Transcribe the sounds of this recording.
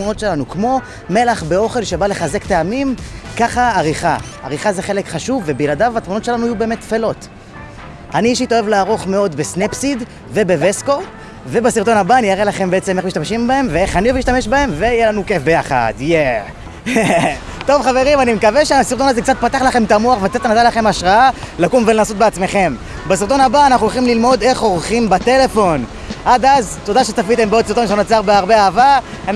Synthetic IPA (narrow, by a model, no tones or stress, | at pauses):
muno̞tʃe̞lanukmo̞ | me̞laχbe̞o̞χe̞lʃebale̞χaze̞kt̪eamimkaχaːʁiχaa̰ʁiχazeχe̞lekχaʃuvːe̞biladavatmuno̞tʃe̞lanuajubeːmet̪ːfelo̞t | aniʃit̪oe̞vlaːʁo̞χme̞o̞d̪besnepsid | ve̞be̞vesko̞ | ve̞basiʁt̪o̞nabaːnijaʁelaχe̞mbeet͡sememiʃt̪amʃimbahe̞mveeχanioviʃt̪ame̞ʃbahe̞mve̞ijelanuke̞fbe̞jaχa̰d̪je | t̪o̞vχave̞ʁimanimekaveʃeasiʁt̪̬onazek̚t͡sat̚pat̪aχlaχe̞mt̪amuaχvet͡sat̪anat̪alaχe̞maʃʁaalakumvelenasot̪̚beat͡sme̞χe̞m | basiʁt̪o̞nabaːnaχuolχimlilmo̞d̪e̞χo̞ʁχimbat̪e̞le̞fo̞n | ʔad̪azt̪od̪aʃet͡safit̪e̞mbeot̪siʁt̪onʃanunat͡saʁbeaʁbeaava | an